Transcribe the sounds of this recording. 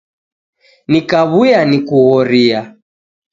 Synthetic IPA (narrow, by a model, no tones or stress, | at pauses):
nikaβujanikuɣɔɾia